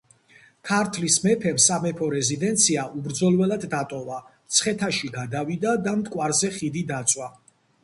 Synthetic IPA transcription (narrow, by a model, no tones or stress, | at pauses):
kʰaɾt̪ʰlismɛpʰɛmsamɛpʰɔɾɛzid̪ɛnt̪sʰiaʔubɾd̪zɔlˠvɛlad̪ːat̪ʼɔvat̪sʰχɛt̪ʰaʃiɡad̪avid̪ad̪amt̪ʼkʼwaɾzɛχid̪id̪at̪sʼwa